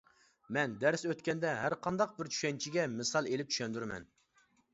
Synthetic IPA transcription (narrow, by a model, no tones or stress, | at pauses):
mɛnd̪æɾsøt̪kʲɛnd̪ɛɦæɾqʰɑnd̪ɑq̚bɪɾt͡ʃʰy̥ʃɛnt͡ʃʰiɡʲɛmɨsɑlˠelɪp̚t͡ʃʰy̥ʃɛnd̪yɾmɛ̰n